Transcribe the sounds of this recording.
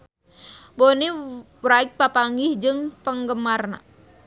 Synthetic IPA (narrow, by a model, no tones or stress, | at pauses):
boni | wɾaik̚papaŋɡɪhd͡ʒɨŋpəŋɡəmarna̰